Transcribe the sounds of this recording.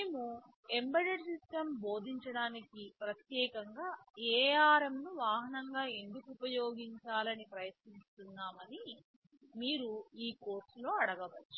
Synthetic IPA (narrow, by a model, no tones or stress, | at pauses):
neːmu | embɐɖɐɖsisʈɐmbo̞ːd̪ʱiɲt͡ʃɐɽaːnikipɾɐt̪jɛːkɐŋɡaːɛːaːɾemnuʋaːɦɐnɐŋɡaːe̞nd̪ukuːpɐjo̞ːɡiɲt͡ʃaːlɐnipɾɐjɐt̪nist̪unːaːmɐni | miːɾuiːko̞ːɾslo̞ːɐɽɐɡɐʋɐt͡ʃːu̥